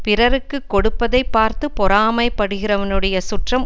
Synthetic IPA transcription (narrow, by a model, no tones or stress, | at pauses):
pɪrɐɾɯkːɯkːɔɽɯpːɐðɐɪpːaːɾt̪ɯpɔɾaːmɐɪpːɐɽɯɣɪrɐʋɐnɯɽɐjɐsʊʈrɐm